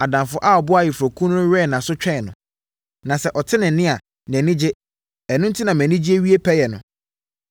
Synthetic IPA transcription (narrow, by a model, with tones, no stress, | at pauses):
a˨dã˨nfʊ˦ʔa˦˨ɔ˨bʊ˦a˦˨jɛ˨fɔ˨kʰũ˦n˦ʊ̃˦ɥɛ˦˨nã˨sʊ˦t͡ɕᶣɛ˦˨nʊ̃˨ | nã˨sɛ˨ʔɔ˨tʰɪ˦nɪ̃˨n̩˦nɪ̃˦a˨ | nɛ̃˨nɪ̃˦d͡ʑɪ˦ | ɛ˨nʊ̃˦n̩˦tʰi˦nã˨mæ̃˨nĩ˦d͡ʑi˦e˦wɥi˦e˦pʰɛ˦jɛ˨nʊ̃˨